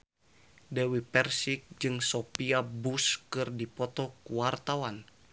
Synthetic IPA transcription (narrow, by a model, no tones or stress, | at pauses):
dɛwipɛrsik̚d͡ʒɨŋsopiabuskɨrdipɔt̪ɔkuwart̪awan